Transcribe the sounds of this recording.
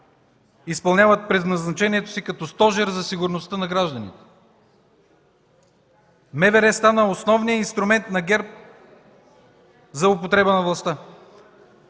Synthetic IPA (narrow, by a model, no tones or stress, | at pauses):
ispɐlˠnʲavət̪̚pɾɛd̪nɐznɐt͡ʃɛniɛt̪o̥sikɐt̪ɔst̪ɔʒɛɾzɐsiɡʊɾnost̪ənɐɡɾaʒd̪ɐnḭt̪ɛ̥ | mɛvɛɾɛst̪anəosnɔvnijəinst̪ɾʊmɛnt̪nɐɡʲɛɾp̚ | zɐopot̪ɾɛbənɐvlˠɐst̪a